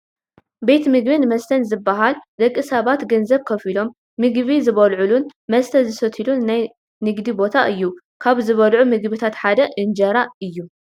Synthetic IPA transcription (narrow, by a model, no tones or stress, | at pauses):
be̞t̪mɨɡbinmɐst̪ʰɐnzɨbːaɦald̪ɐkʼːɨsɐβat̪ɡɐnzɐβkʰɐfilo̞mː | ɨɡβizɨβɐlʕulunmɐst̪ʰɐzɨsɐt̪ʰilunːaj | nɨɡd̪ibo̞t̪ʰaʔɨjːu | kʰaβzɨβɐlʕumɨɡbɨt̪ʰat̪ħad̪ɐʔɨnd͡ʒɐɾaɨjːu